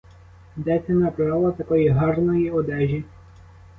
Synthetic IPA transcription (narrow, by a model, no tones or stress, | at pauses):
d̪ɛsʲɛnɐpɾɑlˠɐt̪ɐkɔjiɦɑrnɔjiɔd̪ɛʒʲi